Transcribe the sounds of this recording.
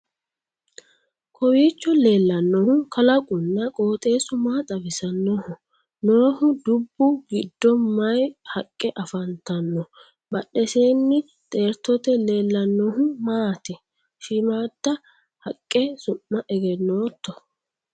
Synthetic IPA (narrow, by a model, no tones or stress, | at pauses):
kʰɔwiːt͡ʃːɔleːlːɐnːɔhʊkɐlɐkʼʊnːɐkʼoːt̪ʼe̞ːsʊmaːt̪ʼɐbɪsɐnːɔhʊ | noːhʊd̪ʊbːʊɡɪd̪ːɔmːɐjhɐkʼːɛʔɐfɐnt̪ɐnːɔ | bɐɗɛseːnːɪ | t̪ʼe̞ːɾt̪ːɔt̪ɛle̞ːlːɐnːɔhʊmaːt̪ɛ | ʃɪmaːd̪̥ːɐ | hɐkʼːɛsʊmːɐʔɛɡɛnːoːt̪ːɔ